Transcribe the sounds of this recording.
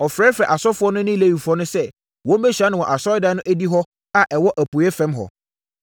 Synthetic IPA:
ɔ˨fɾɛ˦fɛ˨ʔa˨sɔ˦fʊ˦ɔ˦nʊ̃˦nɪ̃˦˨le˦wi˨fʊ˨˦ɔ˦nʊ̃˦sɛ˦ | wɔ̃˨˦m̩˦bɛ˦ɕᶣa˦nʊ̃˨wɔ̃˨ʔa˨sɔ˦da˨˦nʊ̃˦ʔæ˦di˦ɦɔ˦ | a˨ʔɛ˨wɔ˦ʔæ˨pu˨˦ɛ˦fɛ̃˦mɦɔ̰˨

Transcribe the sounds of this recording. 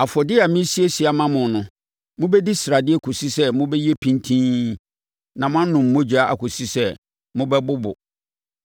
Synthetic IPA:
a˨fɔ˨dɪ˦a˨mĩ˦si˦e˦si˦a˨mã˦mʊ̃˨nʊ̃˦ | mʊ̃˦bɛ˦di˦sɾa˨dɪ˦ɛ˦kʰo˨si˦sɛ˦mʊ̃˦bɛ˦ji˦e˦pʰĩ˦ntʰĩ˦ | nã˨mʊ̃˦ã˦nʊ̃˨mː˨õ˦d͡ʑᶣa˦a̰˨kʰo˨si˦sɛ˦ | mʊ̃˦bɛ˦bʊ˦bʊ̰˨

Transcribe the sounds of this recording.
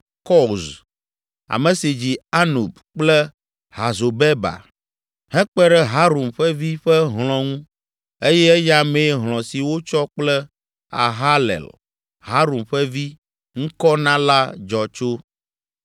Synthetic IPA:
kɔ˦˨z | a̰˨mɛ̃˨si˨d͡ʑi˨a˦nu˨b | k͡plɛ˦ | ɦa˨zo˨bɛ˦ba̰˨ | ɦɛ̃˦k͡pɛ˦ɖɛ˦ɦa˦ɾo˨mɸɛ˦vi˦ɸɛ˦ɦlɔ̃˨ŋũ˦ | e˦jɛ˦ɛ˦ja˨mẽ˨˦ɦl̃ɔ̃˨si˨wo˦t͡ʃɔ˦k͡plɛ˦ | a̰˨ɦa˦lɛ̰˨l | ɦa˦ɾo˨mɸɛ˦vi˦ | ŋ̩̃˦kɔ˦nã˦la˦d͡ʒɔ˨t͡ʃo˦

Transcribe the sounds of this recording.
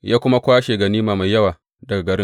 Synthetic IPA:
jaː˦kʷʊ˦ma˦kʷaː˦ʃeː˨ɡɐ˨niː˦maː˨ma˨jːɐ˦waː˨ | dɐ˨ɡa˨ɡɐ˨ɾɪ˦

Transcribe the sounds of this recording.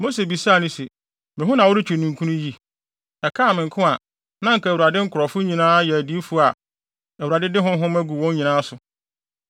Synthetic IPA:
mo˦se˨bi˨sa˦˨nʊ̃˦se˨ | mɪ̃˨ɦʊ̃˦nã˨wʊ˦ɾɪ˦t͡ɕʰᶣu˨nũ˨ŋkʰũ˦nũ˦ji˦ | ɛ˨kʰa˦˨mɪ̃˨ŋ̩˨kʰʊ̃˦a˨ | nã˦ŋ̩˨kʰa˨wu˨a˨dɪ˦ŋ̩˦kʰʊ˨ɾɔ˨fʊ˦ɲĩ˨nãː˦jɛ˨æ˨di˦fʊ˦a˨ | æ˨wu˨a˨dɪ˦dɪ˦ɦʊ̃˦ɦʊ̃˦mæ˦ɡu˨wɔ̃˦ɲ˦ɲĩ˨nãː˦sʊ˨

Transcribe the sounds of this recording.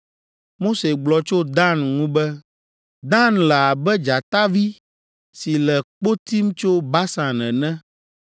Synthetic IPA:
mo˦se˨ɡ͡blɔ˨t͡ʃo˦d̪ã˦nŋũ˦bɛ˦ | d̪ã˦nlɛ˨a˨bɛ˦d͡ʒa˨t̪a˦vi˦ | si˨lɛ˨k͡po˦t̪i˦m˦t͡ʃo˦ba˦sã˨nɛ̃˨nɛ̃˦

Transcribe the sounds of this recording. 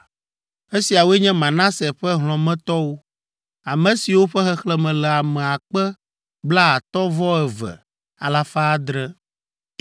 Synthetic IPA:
e˦si˨a˨wo˦ɛ˦ɲɛ̃˦mã˨nã˦sɛ˨ɸɛ˦ɦl̃ɔ̃˨mɛ̃˦t̪ɔ˦wo˦ | a˨mɛ̃˨si˨wo˦ɸɛ˦xɛ˦xlɛ˦mɛ̃˨lɛ˨a˨mɛ̃˨a˨k͡pɛ˦ | bla˦a˨t̪ɔ˦vɔ˦ɛ˨vɛ̰˨ | a̰˨la˨faː˦d̪ɾɛ˦

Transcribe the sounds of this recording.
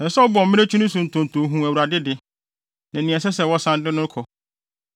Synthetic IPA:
ɛ̃˨sɔ˦bʊ˨ɔ˨mɪ̃˦e˦t͡ɕʰᶣu˦nʊ̃˦sũ˨n̩˨tʰʊ̃˨n̩˨tʰʊ̃˨˦ɦũ˨æ˨wu˨ɾa˨dɪ˦dɪ˨ | nã˨nĩ˨ɛ˨s̬ɛ˦sɛ˨wɔ˦sã˦n˦dɪ̃˦nʊ̃˦kʰɔ˨

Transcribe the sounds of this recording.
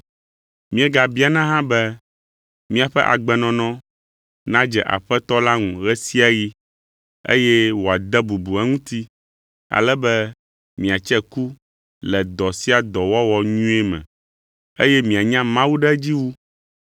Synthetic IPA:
mĩ˦ɛ˦ɡa˨bi˦a˨nã˦ɦã˦bɛ˦ | mĩ˨a˨ɸɛ˦ʔa̰˨ɡ͡bɛ˨nɔ̃˨nɔ̃˦ | nã˦d͡ʒɛ˨ʔa̰˨ɸɛ˦t̪ɔ˦la˦ŋũ˨ɣɛ˦si˦a˨ɣi˦ | ḛ˦jɛ˦wo˨a˨d̪ɛ˦bu˨bu˨a˦ŋũ˦t̪i˦ | a̰˨lɛ˦bɛ˦ | mĩ˨a˨t͡ʃɛ˦ku˦ | lɛ˨d̪ɔ˨si˦a˨d̪ɔ˨wɔ˦wɔ˦ɲũ˦ɛ˦mɛ̰̃˨ | ḛ˦jɛ˦mĩ˨a˨ɲã˦mã˦wu˦ɖɛ˦d͡ʑi˦wu˦

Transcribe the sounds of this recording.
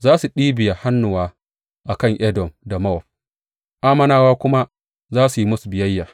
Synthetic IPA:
zaː˦su˨ɗiː˦bɪ˨ja˨ha˦nːʊ˨waː˦ | ʔa˨kɐ˦˨ŋʔɛ˦dɔ˨mda˨mɐ˦ɔ˨ɸ̚ | ʔaː˦mɐ˦naː˦waː˦kʷʊ˦ma˦ | zaː˦su˨ji˦mʊ˦su˨bɪ˨jɐ˦jːaː˨

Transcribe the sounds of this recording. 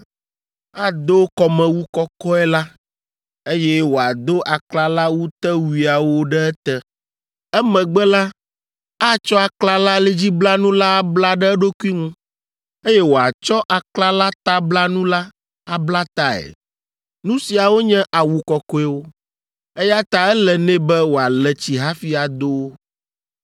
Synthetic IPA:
a˦d̪o˦kɔ˨mɛ̃˨wu˦kɔ˦kɔ˦ɛ˦la˦ | e˦jɛ˦wo˨a˨d̪o˦ʔa˨kla˦la˦wu˦t̪ɛ˦wi˨a˨wo˦ɖɛ˦ɛ˦t̪ɛ˦ | ɛ˦mɛ̃˨ɡ͡bɛ˦la˦ | a˦t͡ʃɔ˦a˨kla˦la˦le˦d͡ʑi˦bla˦nũ˦la˦bla˦ɖɛ˦ɖo˦ku˦i˦ŋũ˦ | e˦jɛ˦wo˨a˨t͡ʃɔ˦ʔa˨kla˦la˦t̪a˦bla˦nũ˦la˦ | a˨bla˦t̪a˦ɛ̰˨ | nũ˦si˨a˨wo˦ɲɛ̃˦ʔa˨wu˨kɔ˨kɔ˦ɛ˦wo˦ | ɛ˦ja˦t̪a˨ɛ˦lɛ˨nɛ̃˦bɛ˦wo˨a˨lɛ˨t͡ɕi˨ɦa˦fi˦a˨d̪o˦w

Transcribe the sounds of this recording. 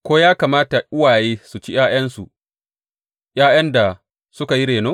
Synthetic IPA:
kʷoː˦jaː˦kaː˨maː˦ta˨ʔʊ˦waː˨jeː˦su˨t͡ʃi˦j̰aː˦j̰ɐ˦nsu˨ | j̰aː˦j̰ɐ˦nda˨ | sʊ˦ka˨ji˦ɽeː˨noː˦

